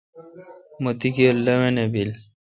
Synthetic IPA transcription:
mot̪ikelːɐwenebil

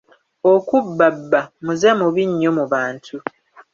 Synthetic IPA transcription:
okubːabːamuze̞muβiɲːo̞muβaːntʰu

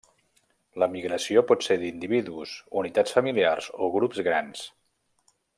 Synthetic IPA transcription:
ləmiɣɾəsiopɔt̪seɾd̪ind̪iβiðuuzunit̪at͡sfəmiliarzoɣɾupzɣɾans

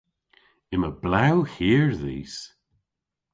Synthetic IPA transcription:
ɪməblawhiːɹðḭːs

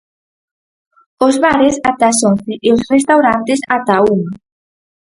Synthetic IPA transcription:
ozβaɾesat̪asonθeʔeosrest̪awɾant̪esat̪auma

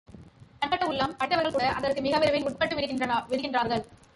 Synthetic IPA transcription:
k̪ɐɳkɐʈːɐʊɭːɐmpɐʈʈ̪ːɐʋɐɾɣɐɭkuːɽɐʔɐðɐrkɯmɪɣɐʋɪɾɐʋɪlʊʈ̚pɐʈːɯʋɪɾɯkːɪndrɐnɐʋɪɾɯɣɪndraːɾɣɐɭ

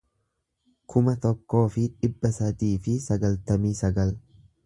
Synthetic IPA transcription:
kʰʊmɐt̪ɔkːo̞ːfɪᶑɪbːɐsaːt̪iːfɪsɐɡɐlt̪ɐmiːsɐɡɐl

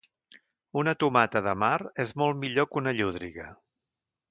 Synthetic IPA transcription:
unət̪umat̪əðəmaɾezmɔlˠmiʎokunəʎuð̞ɾiɣə

